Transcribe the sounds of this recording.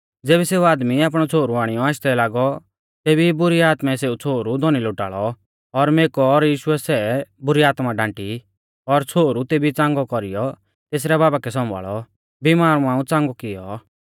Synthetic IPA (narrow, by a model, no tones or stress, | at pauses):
d͡zeːbiseːuaːd̪miaːp̬ɽ̃ɔt͡sʰoːɾuaːɽ̃ijɔaːʃt̪ɛlaːɡɔ | t̪eːbibʊɾiaːt̪mɛseːut͡sʰoːɾud̪ʱɔniloʈa̰ːɭɔ | ɔɾmeːkɔɔɾjiːʃʊɛsɛbʊɾiaːt̪maɖãːɳʈi | ɔɾt͡sʰoːɾut̪eːbit͡sãːŋɡɔkɔɾijɔ | t̪eːs̬ɾɛbaːbakɛsɔ̃mba̰ːɭɔ | bimaːɾũãːũt͡sãːŋɡɔkɪjɔ